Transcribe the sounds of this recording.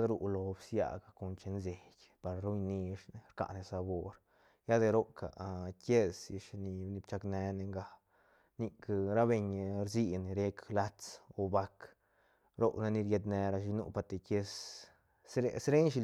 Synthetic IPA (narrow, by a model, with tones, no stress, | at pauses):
d̪ɾu˧ʔlo˧bsja̰˧ɡa˨ko˧nt͡ʃe˧nze˨kʲ | pa˨˧ɾɾu˦jni˧ʂne˧ɾka̰˨ʔne˧sa˧bo˧ɾ | ja˦d̪e˧ɾo˦ka̰˨kʲe˦si˧ʃni˧ni˧bt͡ʃa˧kne˧ne˧ŋɡa˧ | ni˧kɾa˦be˧ɲ˧ɾzi˦n˨ɾe˦kla˦t͡so˧ba˧k | ɾo˦na˧ni˧ɾje˧d̪ne˧ɾa˧ʃ̬i˧nṵ˦pa˧t̪e˧ke˦˧s | ɾesɾe˦nʃ̬i˧